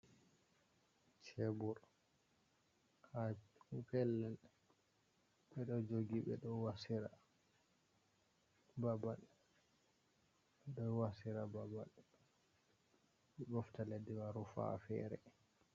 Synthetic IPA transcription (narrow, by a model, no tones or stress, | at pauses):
t͡ʃebuɾ | kakukɛlːɛn | ɓɛɗɔd͡ʒoɡiɓɛ̰ɗɔwasiɾa | babal | ɓɛɗɔwasiɾababal | ɓɛbɔftalediwaɾufa̰fɛ̰ːɾɛ